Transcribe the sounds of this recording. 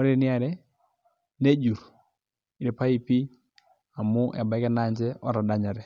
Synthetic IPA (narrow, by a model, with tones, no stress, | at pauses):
ɔ˦ɾe˦˨nɪ˦a˨ɾɛ˦ | ne˦d͡ʒu˨ɾ | i˨e˨pa˦i˦pi˦ | a˨mʊ˦ʔɛ̰˨ba˨˦kɛ˦na˦˨ɲd͡ʒɛ˦ɔ˦ɾa˨da˦ɲa˨ɾɛ˨